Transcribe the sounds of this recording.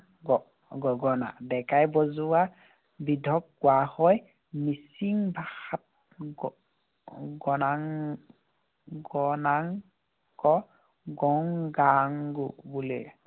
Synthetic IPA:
ɡɔ | ɡɔɡɔna̰dɛkajbɔzua | bidʱɔk̚kuahɔj | misiŋbaxat̚ | ɡ | ɡɔnaŋ | ɡɔnaŋ | kɔ | ɡɔŋɡaŋɡubulɛ

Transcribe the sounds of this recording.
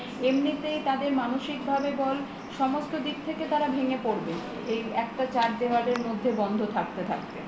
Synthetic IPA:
emnit̪ejt̪ad̪eɾmanoʃik̚bʱabebɔl | ʃɔmost̪od̪ik̚t̪ʰeket̪aɾabʱeŋepoɾbe | ejɛk̚ʈat͡ɕaɾd̪eɦaɖeɾmod̪ʱːebɔnd̪ʱot̪ʰak̚t̪et̪ʰak̚be

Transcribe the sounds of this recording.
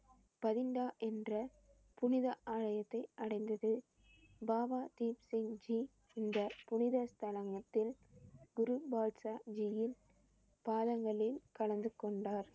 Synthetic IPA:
pɐðɪɳɖaːʔɛndrɐ | pʊnɪðɐʔaːɻɐjɐt̪ːɐɪɐɽɐɪnd̪ɐðɯ | baːʋaːt̪iːpsɪŋd͡ʒi | ɪnd̪ɐpʊnɪðɐst̪ɐlɐŋɡɐt̪ːɪlɡ̥ʊɾubaːlsad͡ʒiːjɪl | paːðɐŋɡɐɭɪlkɐɭɐnd̪ɯkɔɳɖaːɾ

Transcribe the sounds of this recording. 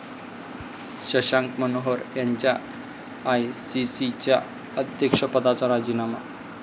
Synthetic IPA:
ɕəɕaŋkmənoɦɔɾjaɲt͡ɕaː | jsisit͡ɕja | əd̪ʱjəkʂəpəd̪at͡sɔɾad͡ʑinama̰

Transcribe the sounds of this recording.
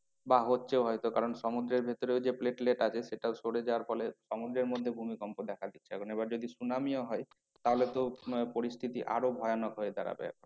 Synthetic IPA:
baɦotːɕʰeoɦɔjt̪okaɾɔnʃɔmud̪ɾeɾbʱet̪oɾewd͡ʑepleʈleʈat͡ɕʰeʃeʈaoʃoɽed͡ʑawaɾfɔleʃɔmud̪ɾeɾmod̪ʱːebʱumikɔmpod̪ɛkʰad̪itːɕʰeɛkʰonebaɾd͡ʑod̪isunamijoɦɔj | t̪aɦolet̪opoɾist̪ʰit̪ḭʔa̰ɾobʱɔeanɔkɦoed̪aɾa̰bḛɛ̰kʰon

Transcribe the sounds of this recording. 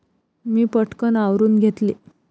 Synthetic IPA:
miːpəʈʰkənaʋɾuːnɡʱet̪lḛ

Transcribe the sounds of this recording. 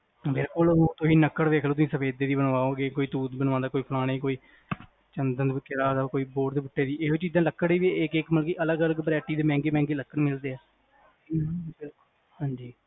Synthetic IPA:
bɪlkoloːt̪ʊɦĩːnəkːəɽʋeːkʰloːt̪ʊsĩːsəpʰeːd̪eːd̪iːbənʋaːoːɡeːkoːiːt̪uːd̪bənʋãːnd̪aːkoːiːpʰʊlaːneiːkoːiː | t͡ʃənd̪ənd̪kɪɾaːd̪aːkoːiːboːʈd̪eːbʊʈːeːd̪iːʔeːɦoːt͡ʃiːdãːləkːəɽiːʋiːɪkɪkməlkiːʔələɡələɡbɾɛːʈiːd̪eːmɛ̃ːŋɡeːmɛ̃ːŋɡeːləkːəɽmɪld̪eːɛː | bɪlk | ɦãːɲd͡ʒiː

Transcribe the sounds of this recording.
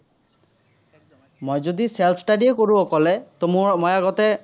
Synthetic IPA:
mojzod̪isɛlpʰtadiɛkoɹuɔkɔlɛtummɔjaɡɔtɛ

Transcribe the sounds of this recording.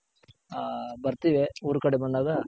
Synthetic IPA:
bɐɾt̪iːʋeuːɾukɐɽebɐɳɖ̪aːɡɐ

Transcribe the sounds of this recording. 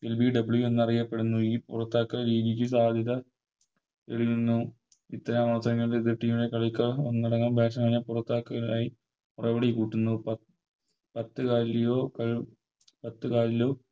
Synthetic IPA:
elbiɖɐbɭjuenːɐrijɐpːeɽunːuiːpṵrɐt̪ːaːkːɐɾiːɾik̬ʲːisaːd̪ʱjɐðɐ | eɻiʋunːu | it̪ːɐɾɐmɐɳɐsɐɾɐŋːɐɭildeiðɨʈːiːmiɽekɐɭikːɐonːiɽɐŋːɐlbʱeːɕɐmɐɐɲːɐpurɐt̪ːaːkːɐɐlaːji | purɐʋɐɽikuːʈːunːupɐ | pɐt̪ːɨkaːliijoːkɐɻ | pɐt̪ːɨkaːlilo̞ː

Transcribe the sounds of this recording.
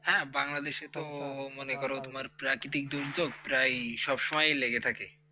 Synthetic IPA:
hɛ̃baŋlad̪eʃet̪omonekɔɾot̪omaɾpɾakɾit̪̬ik̚d̪uɾd͡ʑoɡpɾajʃɔbʃomɔjleɡet̪ʰake

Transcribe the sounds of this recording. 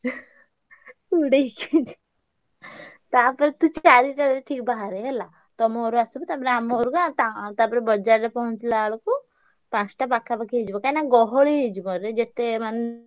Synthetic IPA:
uɽejkʰid͡ʒi | t̪apɔɾet̪ut͡ʃiaɾiʈalɾeʈʰikbaɦaɾeɦela | t̪ɔmɔɾuasɔbɔt̪apɔɾeamɔɾukat̪at̪apɔɾebɔd͡ʒaɾɾepɔɦɔnt͡ʃilaɭɔku | pãt͡ʃʈapakʰabakiɦed͡ʒibɔkainaɡɔɦɔɭied͡ʒibɔɾed͡ʒet̪eman

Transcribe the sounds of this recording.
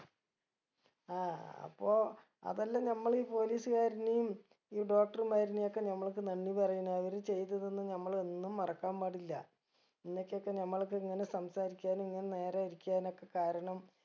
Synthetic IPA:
aːɐ̰pːoː | ɐ̰ðɐlːɐnɐmːɐɭiːpo̞ːliːsɨkaːɾɐnejum | iːɖo̞ːk̚ʈɐrumaːɾɐnejo̞kːe̞nɐmːɐɭk̬ːɨnɐɳːipɐrɐjunːɐɐʋɐɾut͡ɕe̞jt̪uðenːɨnɐmːɐɭe̞nːumːɐrɐkːaːmbaːɽilːɐ | ninːo̞kʲːo̞kːe̞nɐmːɐɭk̬ːɨiŋːɐne̞sɐmsaːɾikʲːaːnumiŋːɐne̞ne̞ːɾaiɾikʲːuaːno̞kːe̞kaːɾɐɳɐm

